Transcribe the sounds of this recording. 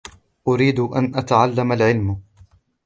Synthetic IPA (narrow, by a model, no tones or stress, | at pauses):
ʔʊɾiːd̪ʔanʔat̪aʕalːamalʕɪlm